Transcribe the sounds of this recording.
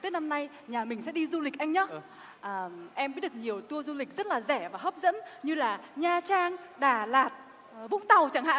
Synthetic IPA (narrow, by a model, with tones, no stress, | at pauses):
t̪ɨ˦˥na˧mna˧j | ɲaː˨˩mï˨˩ŋ̟sɛ̰˧˥ɗi˧zu˧li˨˩k̚ʔa˧ŋ̟ɲɔ˨˦ | ʔəː˨˩ʔɛ˧mɓi˧˥ɗkɲi˨˩əwt̪u˧əzu˧lï˨˩k̟̚zə˦˥t̚laː˨˩zɛ˧˩vaː˨˩ɦəː˦˥p̚zə̰˧˥nɲɨ˧laː˨˩ɲaː˧˩t͡ɕaː˧ŋɗaː˨˩laː˨˩t̚ | vʊ̰˧˥ŋ͡mt̪a˨˩wt͡ɕa˧˩ŋha̰ː˧˨